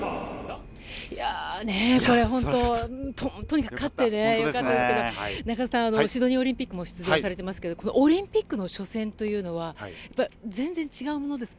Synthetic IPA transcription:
janeko̞ɾe̞ɦõ̞nt̪õ̞t̪ot̪oɲ̟ikak̟kːʰat̪ːene̞jokat̪ːad̪esɨɨked̪onaɡaasãanoɕid̪o̞ɲ̟ĩoɾʲĩmpʲikːɯ̟mo̞ɕi̥t͡sɨʑosaɾe̞t̪e̞masɨ̥ke̞d̪o̞kono̞̰ʔoɾʲĩmpʲikːɯ̟no̞ɕo̞sẽ̞nt̪o̞jɯ̟ːno̞βajapːaid͡zẽ̞nd͡zẽ̞ɲ̟t͡ɕiɡaɯ̟mo̞no̞d̪e̞sɨ̥

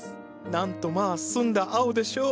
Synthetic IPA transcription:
nãnt̪o̞maːsɨ̃nd̪aʔaɯ̟d̪e̞ɕoː

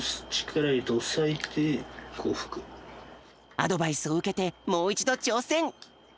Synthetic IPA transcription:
st͡ɕi̥kʰaɾait̪osait̪ʰekʰo̰ːɸɯ̟̥kɯ̟̥ | a̰d̪o̞baisɨo̞ɯ̟ke̞t̪e̞mo̞ːit͡ɕid̪o̞t͡ɕo̞ːsẽ̞ŋ

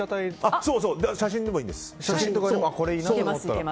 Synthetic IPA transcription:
at̪aiasoːs̬oːd̪aɕaɕ̬ĩnd̪e̞moĩːnd̪esɨ̥aĩt̪okːako̞ɾeiːnaoomot̪ːaɾ

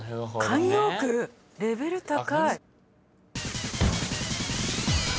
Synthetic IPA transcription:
kʰãɲjoːkɯ | ɾe̞be̞ɾɯ̟t̪akai

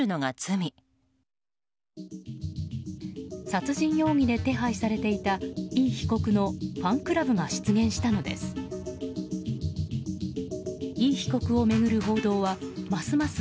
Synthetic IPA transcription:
ɯ̟noɡat͡sɨmʲi | sat͡sɨʑĩɰ̃jo̞ːŋ̟id̪e̞t̪e̞ɦaisaɾe̞t̪e̞it̪aiːçi̥ko̞kɯ̟no̞ɸãŋkɯ̟ɾabɯ̟ŋaɕi̥t͡sɨɡẽ̞ɰ̃ɕi̥t̪ano̞d̪e̞̰sɨ̥ | iːçi̥ko̞kɯ̟o̞me̞ɡɯ̟ɾɯ̟ɦo̞ːd̪o̞ːβamasɨmasɨ

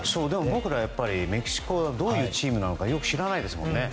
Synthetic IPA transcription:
so̞ːd̪e̞mo̞bo̞kɯ̟ɾajapːaɾʲime̞kʲi̥ɕi̥ko̞d̪o̞ːjɯ̟ːt͡ɕiːmɯ̟nanokajo̞kɯ̟̥ɕiɾanaid̪e̞sɨmõ̞̰nːe̞

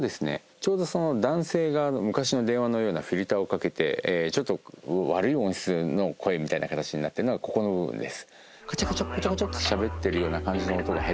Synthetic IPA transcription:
od̪e̞sɨne̞̰ | t͡ɕo̞ːd̪o̞so̞no̞d̪ãɰ̃se̞ːɡanomɯ̟kaɕino̞d̪e̞ɰ̃βano̞jo̞ːnaɸʲiɾʲit̪ao̞kake̞t̪e̞̰t͡ɕo̞t̪ːo̞βaɾɯ̟iõ̞ɰ̃ɕi̥t͡sɨno̞kʰo̞e̞mʲit̪ainakat̪at͡ɕiɲ̟inat̪ːe̞ɾɯnoɡako̞ko̞no̞bɯ̟bɯ̰̃nd̪e̞sɨ̥ | kḁt͡ɕakat͡ɕakːot͡ɕakot͡ɕot̪ːo̥ɕabe̞t̪ːe̞ɾɯ̟jo̞ːnakãɲ̟d͡ʑinoːt̪oɡahe

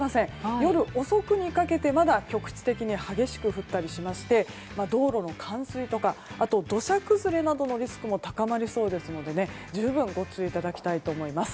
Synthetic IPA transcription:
asẽ̞jo̞ɾɯ̟ʔo̞so̞kɯ̟ɲ̟ikake̞t̪e̞mad̪akʲo̞kɯ̟̥t͡ɕi̥t̪e̞kʲiɲ̟ihaɡʲe̞ɕi̥kɯ̟ɸɯ̟t̪ːaɾʲiɕimaɕi̥t̪e̞ | mad̪o̞ːɾo̞no̞kʰãɰ̃sɨit̪o̞kaat̪o̞d̪o̞ɕakɯ̟zɨɾe̞nad̪o̞no̞ɾʲisɨ̥kɯ̟mo̞t̪akamaɾʲiso̞ːd̪e̞sɨno̞d̪e̞ne̞ | d͡ʑɨːbɯ̟̃ŋɡo̞t͡sɨit̪ad̪akʲi̥t̪ait̪o̞ːmo̞imasɨ̥

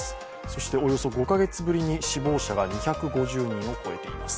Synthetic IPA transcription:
so̞ɕi̥t̪e̞o̞jo̞so̞ɡo̞kaɡe̞t͡sɨbɯ̟ɾʲiɲ̟iɕibo̞ːɕaɡaɲ̟içakɯ̟ɡo̞ʑɨːɲ̟ĩɰ̃o̞ko̞e̞̰t̪e̞ḭmasɨ̥

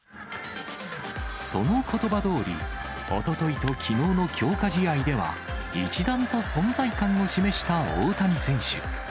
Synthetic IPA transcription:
so̞̰no̞kʰo̞t̪o̞bad̪o̞ːɾʲḭ | o̞̰t̪o̞t̪o̞it̪o̞kʲʰino̞ːno̞kʲo̞ːkaʑiaid̪e̞βa̰ | ḭt͡ɕid̪ãnt̪o̞sõ̞nd͡zaikãŋo̞ɕime̞ɕi̥t̪ao̰ːt̪amʲisẽ̞ɰ̃ɕɨ̰

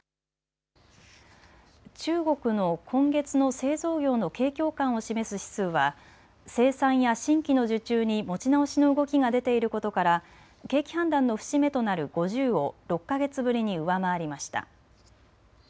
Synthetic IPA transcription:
t͡ɕɨːɡo̞kɯ̟no̞kʰõ̞ŋɡe̞t͡sɨno̞se̞ːzo̞ːɡʲo̞ːno̞ke̞ːkʲo̞ːkãɰ̃o̞ɕime̞sɨɕi̥t͡sɨːβa | se̞ːsãɰ̃jaɕĩŋkʲino̞ʑɨt͡ɕɨːɲ̟imo̞t͡ɕinao̞ɕino̞ɯ̟ɡo̞kʲiɡad̪e̞t̪e̞iɾɯ̟ko̞t̪o̞kaɾa | ke̞ːkʲi̥hãnd̪ãnːo̞ɸɯ̟̥ɕime̞t̪o̞naɾɯ̟ɡ̥o̞ʑɨːo̞ɾo̞kːaɡe̞t͡sɨbɯ̟ɾʲiɲ̟iɯ̟βamaːɾʲimaɕi̥t̪a̰

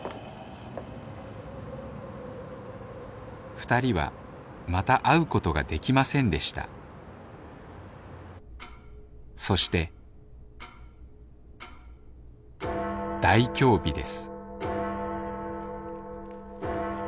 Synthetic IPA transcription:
ɸɯ̟̥t̪aɾʲiβa̰ | mat̪aʔaɯ̟ko̞t̪o̞ɡa̰d̪e̞kʲimasẽ̞nd̪e̞ɕi̥t̪a̰ | so̞ɕi̥t̪e̞ | d̪̥aikʲo̞ːbʲid̪e̞̰sɨ̥

